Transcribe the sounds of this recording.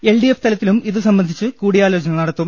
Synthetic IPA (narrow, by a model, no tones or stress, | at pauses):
e̞lɖijeft̪ɐlɐt̪ːilumiðɨsɐmbɐnd̪ʱit͡ɕːɨkuːɽijaːlo̞ːt͡ɕɐnɐɭnɐɽɐt̪ːum